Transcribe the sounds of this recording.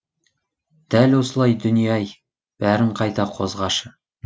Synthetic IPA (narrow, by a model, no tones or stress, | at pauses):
d̪̥ælwo̞səlˠɑjd̪ʏnijɑj | b̥æɾɪɴqʰɑjt̪ɑqʰo̞̰zʁɑʃə